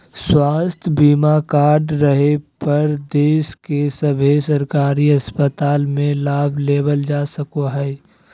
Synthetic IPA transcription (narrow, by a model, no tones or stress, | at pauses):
swaːst̪ʰbiːmakaːɾɖɾəɦepɐɾd̪eːʃkesəbʱesɐɾkaːɾiɐspət̪aːlmẽlaːbʱleːbəld͡ʒaːsəkoɦɛː